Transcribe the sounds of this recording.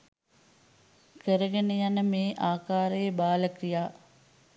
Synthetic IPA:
kəɾəɡenəjanəmeːʔaːkaːɾəjəbaːləkrijaː

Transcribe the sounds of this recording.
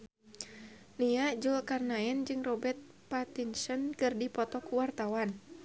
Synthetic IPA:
niad͡ʒulkarnaɛnd͡ʒɨŋrɔbɛrt̪̚ | pat̪insənkɨrdipɔt̪ɔkuwart̪awan

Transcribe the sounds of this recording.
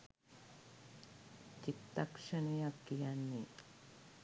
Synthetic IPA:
t̪ɪt̪ːaksaniakːianːɪ

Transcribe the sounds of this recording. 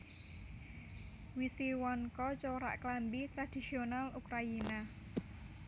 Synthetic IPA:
wisiwɔnkɔt͡ʃoɾa̰ʔklambit̪ɾad̪̥i̤sionalukɾaina

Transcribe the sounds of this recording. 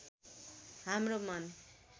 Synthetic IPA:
ɦamromʌn

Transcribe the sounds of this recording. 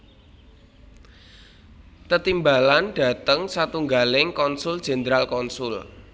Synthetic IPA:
t̪ət̪imbalanɖ̥ä̤t̪əŋsat̪uŋɡalɪŋkɔnsʊld̥ʒ̥e̤nd̪əɾalkɔnsʊl

